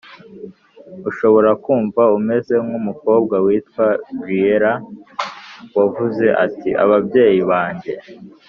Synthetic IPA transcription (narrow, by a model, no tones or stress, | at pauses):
uʃo̞βo̞ɾakuːɱvaume̞ze̞mɡumuko̞ːb̚ɡawiːtkwavijeɾa | wavuze̞ʔatiʔa̰βabɟe̞ːjiβaːɲɟe̞